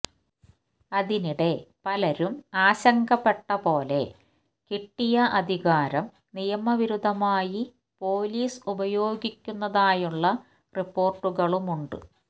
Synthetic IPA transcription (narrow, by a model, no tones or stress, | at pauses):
ɐðiniɽe̞pɐlɐɾumaːɕɐŋɡɐpːe̞ʈːɐpo̞ːle̞̰ | kiʈːijɐʔɐd̪ʱiɣaːɾɐm | nijɐmɐʋiɾud̪ʱːɐmaːji | po̞ːliːsubɐjo̞ːɡikʲːunːɐðaːjuɭːɐ | ripːo̞ːrʈːuɣɐɭumuɳɖɨ̰